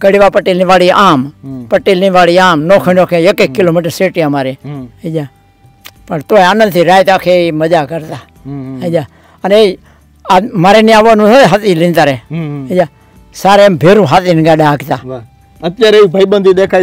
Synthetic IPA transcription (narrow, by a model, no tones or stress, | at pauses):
kəɽiʋaːpəʈːiːlːʋaːɽiːʔaːmpəʈːiːlĩːʋaːɽiːaːmnoːkʰənoːkʰeekeːkːɪloːmiːʈəɾseːʈiːamaːɾeːəd͡ʒaː | pəɳt̪oːeaːnə̃nd̪t̪ʰiːɾaːjt̪aːkʰeːiməd͡ʒaːkəɾt̪aː | əd͡ʒaː | əne | amaːɾeːnĩːaːʋonũːt̪ʰoɦət̪iːlĩːnt̪aɾeːɦəd͡ʒaː | saːɾembʱeːɾũːɦaːt̪iːnɡaːɗaːɡt̪aː | ət̪jaːɾeeibʱəibənd̪iːd̪eːkʰaː